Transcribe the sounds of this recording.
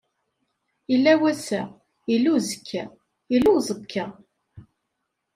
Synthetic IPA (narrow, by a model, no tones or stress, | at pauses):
ilːæwæsæ | ilːuzəkʰːæ | jilːuzˤəkʰːæ